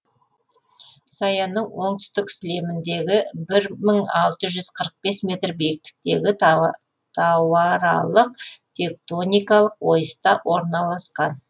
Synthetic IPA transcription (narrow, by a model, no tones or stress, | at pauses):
sɑjɑnəɴwo̞ɴt̪ʏ̥st̪ɪksɪle̞mɪnd̪e̞ɡʲɪbɪɾməɴɑlˠt̪əʒʏz̥qʰəɾəq̚be̞sme̞t̪rbejk̚t̪ɪ̥k̚t̪e̞ɡʲɪ | t̪ʰɑwɑɾɑ̰lˠəq̚t̪ʲʰe̞k̚t̪o̞nʲijkɑlˠəqwo̞jəst̪ɑwʔo̞ɾnɑlˠɑsqɑn